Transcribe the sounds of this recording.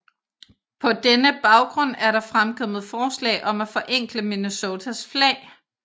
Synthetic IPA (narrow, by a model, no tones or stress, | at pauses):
pʰɒ̽d̥enəb̥ɑ̈ʊɡ̥ʁɔ̽n̰æɐɾɑ̈fʁamkʰɒ̽m̰ð̞̩ˠfɒːslɛ̰ːʔɒ̽mæfɒ̽ʔeŋ̰ɡ̥ləminuso̝ːt͡sʰæsflɛ̰ː